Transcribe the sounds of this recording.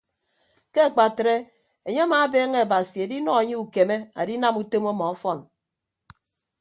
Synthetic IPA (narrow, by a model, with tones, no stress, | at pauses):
ke˦a˨k͡pa˨tɾe˦ | e˨ɲe˦a˦ma˨˦beː˦ŋe˦a˨ba˨si˨a˨di˦nɔ˦e˨ɲe˦u˨ke˨me˦a̰˨di˦na˦mu˦to˦mɔ˦mɔ˨ɔ˦fɔ˦˨n